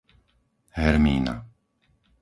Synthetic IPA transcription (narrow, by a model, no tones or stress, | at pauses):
hɛɾmḭːna̰